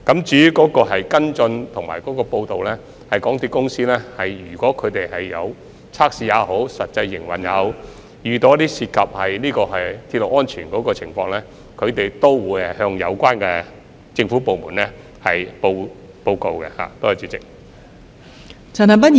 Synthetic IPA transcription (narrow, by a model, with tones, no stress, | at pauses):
kɐ˨˥mt͡ʃyː˨˥y˥kɔː˨˥kɔː˧ɦɐ˨jkɐ˥nt͡sɵ˧nt̪ʰʊ˨˩ŋmaː˨˩jkɔː˨˥kɔː˧po˧wt̪o˨wlɛː˥ | hɐ˨˩jkɔː˨˥ŋt̪iː˥kʊ˥ŋsiː˥lɛː˥hɐ˨˩jjyː˨˩kʷɔː˨˥kʰɵ˨˧ɥt̪e˨jhɐ˨jːɐ˨˧w | t͡sʰaː˥k̚siː˨˧jaː˨˧ɦo˨˥wsɐ˨t̚t͡sɐ˧jːɪ˨˩ŋwɐ˨njɐ̰˨˧w | jyː˨t̪ɔ˨˧t̪iː˥siː˧t̚kʰɐ˨p̚hɐ˨jliː˥kɔː˧ɦɐ˨jt̪ʰi˧t̚lo˨˩ʔɔː˥nt͡ʃʰyː˨˩nkɔː˨˥kɔː˧t͡sʰɪ˨˩ŋfɔː˧ŋlɛː˥ | kʰɵ˨˧ɥt̪e˨jt̪o˥wwuː˨˥jɐ˨hœː˧ŋjɐ̰˨˧wkʷaː˥nkɛ˧ | t͡sɪ˧ŋfu˨˥po˨wmuː˨˩nlɛ˥ | hɐ˨˩jpo˧w | po˧wko˨˧wkɛ̰˧ha̰ː˨t̪oː˥˨˩t͡syː˨˧˥t͡sɪ̰˨k̚ | t͡sʰɐ˨˩nɐ˨mɐ˥t̚